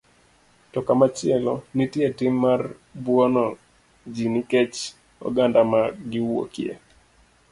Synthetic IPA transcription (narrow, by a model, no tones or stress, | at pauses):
tɔkamat͡ʃɪɛlɔnitjetɪmːar | bwɔnɔ | d͡ʒiniket͡ʃ | ɔ̰ɡandamaɡɪwo̰kjḛ